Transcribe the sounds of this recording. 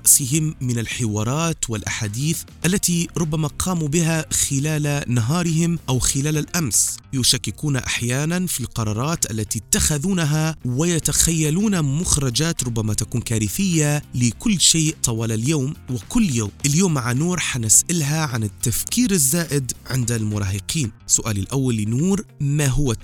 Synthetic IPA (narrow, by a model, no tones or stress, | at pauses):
ɾɑʔsɪɦɪmːɪnalħɪwɑːɾˤɑːt̪wɪlʔaħaːd̪iːθʔalːat̪iɾˤʊbːamaqʰɑːmubɪɦaxɪlaːlanaɦɑːɾˤɪɦɪmʔawxɪlaːlalʔamsjʊʃakːɪkuːnaʔaħjaːnanfilqɑɾˤɑːɾˤɑːt̪ʔalːat̪it̪ːaxaðuːnaɦawɪjat̪axajːaluːnamʊxɾˤɑd͡ʒaːt̪ɾˤʊbːamat̪akuːnkaːɾɪθɪjːalɪkʊlːʃeːʔt̪ˤɑwɑːlaljoːmwɪkʊlːjoːmʔɪljoːmːaʕanuːɾˤħanɪsʔalɦaʕanɪt̪ːafkiːɾɪzːaːʔɪd̪ʕɪnd̪almʊɾˤɑːhɪqiːnsʊʔaːlɪlʔawːalːɪnuːɾmaɦʊwa